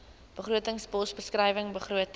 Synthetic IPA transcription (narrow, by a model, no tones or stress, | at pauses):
b̥əχruətəŋsbɔsbəskrəjvəŋbəχruət